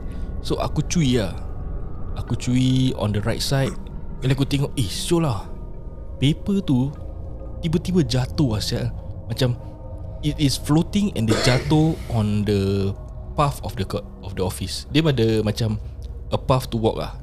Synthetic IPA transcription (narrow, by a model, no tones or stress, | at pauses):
soʔa̰kut͡ʃuia | akut͡ʃuiɔ̰̃ndəɹajt̚sajt̚ɛ̃nakut̪ɛŋɔʔ̚esolah | pepət̪u | t̪ibət̪ibəd͡ʒat̪oasaʔmat͡ʃam | itisflot̪ĩŋɛ̰̃ndəd͡ʒat̪oɔ̃ndə | pafɔfdəkɔt̚ | ɔfdəɔfisdɛmadəmat͡ʃaməpaft̪uwɔ̰k̚la̰h